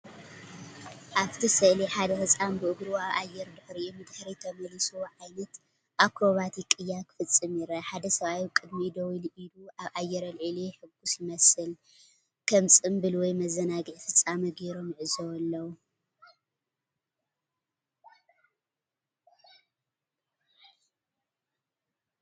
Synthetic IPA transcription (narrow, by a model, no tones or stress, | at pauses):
ʔaβt̪ʰisɨʔliħad̪ɐhɨt͡sʼambɨʔɨɡɾuaβʔajːɛɾd̪ɨħɾiʔumɨd̪ħɾit̪ʰɐmɐlisuʕajnɐt̪ | ʔakʰɾo̞βat̪ʰikʼɨjːakʰɨ̥fɨt͡sʼːɨmiɾɐħad̪ɐsɐβajikʼɨd̪mid̪ɐwilʔiluʔaβʔajːɛɾɐlʕɨleħɨɡːusjɪmɐsɨl | kʰɐmt͡sʼɨmbɨlwɔjmɐzːɐnaɡɨʕfɨt͡sʼːamɐɡeɾo̞mjɪʕɨzɐwɐlːɐw